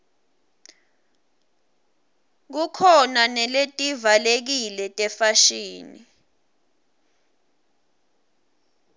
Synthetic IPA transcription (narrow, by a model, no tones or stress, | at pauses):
k̬ukʰɔnanɛletʼivalek̬ilɛtʼɛfaʃiːni